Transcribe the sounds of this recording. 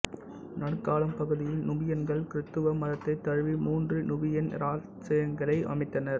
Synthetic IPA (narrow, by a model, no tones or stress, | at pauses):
nɐɽɯkːaːlɐmpɐɣɯðɪjɪlnʊbɪjɐnɡɐɭkɪɾɯt̪ːɯʋɐmɐðɐt̪ːɐɪt̪ːɐɻʋimuːndrɯnʊbɪjɐnɾaː | t͡ʃɐjɐŋɡɐɭɐɪʔɐ̰mɐɪt̪ːɐnɐɾ